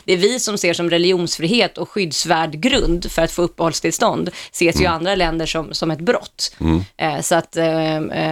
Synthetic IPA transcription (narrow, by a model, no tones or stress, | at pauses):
d̪̥ɛːvɪsɔmseːʂɔmɾɛlɪuːnsfɾiːheːt̪ɔkɧʏd̪svæːɖɡɾɵnd̪fœɾat̪foːɵpːəhɔlst̪ʰɪlst̪ɔnd̪seːsjɵand̪ɾalɛnd̪əʂɔmsɔmɛt̪bɾɔt̪ː | sɔat̪ː